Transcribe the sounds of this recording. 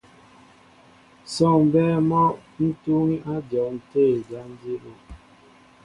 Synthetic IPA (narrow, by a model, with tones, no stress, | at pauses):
sɔ˦˨ŋ˨bɛː˦mɔ˦n̩˦tu˦ŋi˦ʔa˦dɔ˨n̩˨te˦˨d͡ʒa˦n˦di˦ʔo˦